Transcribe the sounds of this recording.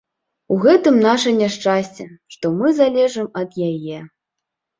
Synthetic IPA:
uɣɛt̪ɨmnaʂɐnʲaʂt͡ʂasʲt͡sʲɛʂt̪ɔmɨzalʲɛʐɨmɐd̪jajɛ

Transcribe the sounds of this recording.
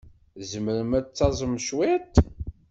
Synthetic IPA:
zəməɾəmæt͡sːɑzˤəmʃwɪt̪

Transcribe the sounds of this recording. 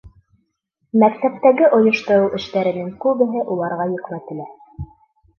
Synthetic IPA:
mæk̚t̪æp̚t̪æɡɘʔŏjŏʃt̪ŏɾɤwʔɘ̆ʃt̪æɾɘ̆nɘŋkʉβɘ̆ɦɘʔulˠɑɾʁɑjɵ̆kmæt̪ɘ̆læ

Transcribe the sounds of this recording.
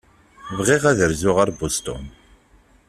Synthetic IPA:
vʁiʁæðəɾzʊʁaɾbust̪ʊ̰n

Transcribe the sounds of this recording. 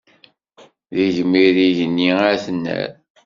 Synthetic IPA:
ðiʝəmːiɾiʝənːiaθənːæ̰ɾ

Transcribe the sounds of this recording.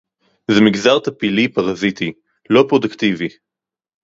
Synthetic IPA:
zemiɡzaʁt̪apilipaʁazit̪i | lo̞pʁod̪ukt̪ivi

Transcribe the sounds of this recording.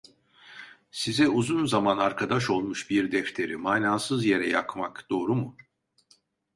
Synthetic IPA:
sizɛuzunzamanaɾkʰad̪aʃo̞lˠmuʃbiɾd̪ɛft̪ʰe̞ɾimaːnaːsɯzje̞ɾɛ̰jakmakd̪̥o̞ːɾumu

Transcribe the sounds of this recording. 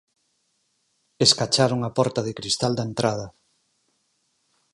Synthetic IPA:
eskat͡ʃaɾuŋapɔɾt̪ɐðɪkɾist̪ald̪aent̪ɾʔað̞ɐ

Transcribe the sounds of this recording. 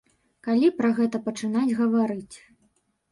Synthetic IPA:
kalʲipɾɐɣɛt̪ɐpɐt͡ʂɨnad͡zʲɣɐvaɾɨt͡sʲ

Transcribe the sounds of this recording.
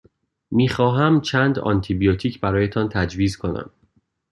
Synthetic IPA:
miːxɒːɦæmt͡ʃʰæːnd̪ɒ̰nt̪ʰibijot̪ʰiːcʰbæɾɒːjet̪ʰɒnt̪ʰæd͡ʒviːzkʰo̞næ̰m

